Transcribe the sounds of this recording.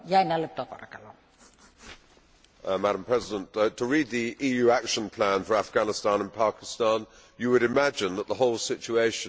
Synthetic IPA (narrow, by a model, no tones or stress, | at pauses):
jæˑinælːett̪ːɑpɑ̰rkɑlo | mæɾə̃mpʰɹ̥ɛzɪdə̃nttʰəɹiːd̪̚ðiʔiːjʉːækʃə̃npʰl̥æ̃nfəɹafɡ̥ænɪstɑ̃nə̃npʰɑˑkɪ̥stɑ̃n | jəwəɾɪmæd͡ʒɪ̃nðəʔ̪ðəɦɒʊlˠsɪt͡ʃueɪʃə̃